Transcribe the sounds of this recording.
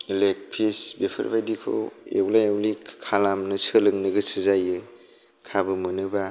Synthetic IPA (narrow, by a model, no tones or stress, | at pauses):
ilek̚pʰisbepʰɯ̰ɾbajdikʰo̰ḛwlajawlikkʰalamnɯsɯlɯŋnɯɡɯsɯzajɯ | kʰabɯmɯnɯba